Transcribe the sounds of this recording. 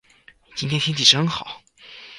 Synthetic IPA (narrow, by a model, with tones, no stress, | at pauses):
i˨˩t͡ɕi˥ŋt̪ʰjɛ˥nt̪ʰi˥nt̪i˨˩ʂxɤ˧ŋxɑ˨˩˦